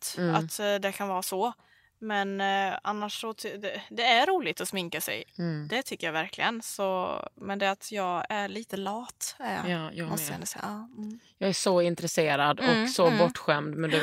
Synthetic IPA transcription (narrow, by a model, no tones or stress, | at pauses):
t̪at̪d̪ɛkʰanvɑːsɔ | mɛnanːaʂːɔt̪ʰd̪ɛd̪ɛæɾuːlɪt̪ɔsmɪŋkasɛ̰jd̪ɛt̪ʰʏkːəɾjavæɾkʰlɪ̰ɡənsɔmɛnd̪ɛat̪ʰjɑːɡæɭiːt̪əlɑːt̪æɾjɑ̰mɔst̪ɛnd̪əsɛɑː | jɑːɡæʂɔɪnt̪ɾɛseːɾad̪ɔksɔbɔʈːɧɛmd̪mɛnd̪ɛ